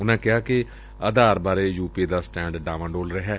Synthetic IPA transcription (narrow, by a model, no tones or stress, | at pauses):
ʊnãːkɪɦaːkɪ | əd̪aːɾbaːɾeːjuːpiːd̪aːsʈɛ̃ːɳɖɖaːʋə̃ɳɖoːlɾəɦɛː